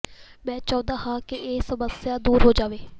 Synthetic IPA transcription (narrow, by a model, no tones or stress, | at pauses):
mɛ̃ːt͡ʃaɔ̃ːd̪aːɦãːkɪʔeːsəməsjaːd̪uːɾɦoːd͡ʒaːʋeː